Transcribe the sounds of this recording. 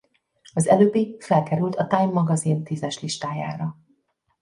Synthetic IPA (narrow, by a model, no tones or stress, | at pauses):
ɒzɛløːbifɛlkɛɾylt̪ɒt̪ajmːɒɡɒzint̪izɛʃliʃt̪aːja̰ːɾɒ